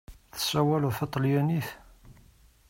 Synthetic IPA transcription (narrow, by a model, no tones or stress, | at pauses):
θə̥sːæwælθɑt̪ˤːljæniθ